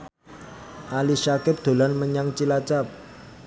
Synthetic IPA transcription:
ʔaliʃakɪp̚d̪̥o̤lanməɲaŋt͡ʃilat͡ʃap̚

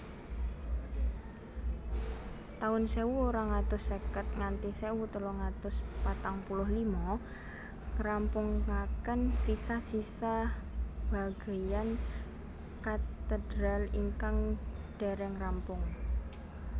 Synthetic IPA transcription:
t̪aʊnsewuoɾaŋat̪ʊsːekət̪̚ŋant̪isewut̪əlɔŋat̪ʊspat̪aŋpulʊhlimɔ̃ | ŋrampʊŋːakənsisahsisa | b̥a̤ɡ̥a̤jan | kat̪əd̥ɾa̤liŋkaŋɖ̥e̤ɾɛŋrampʊŋ

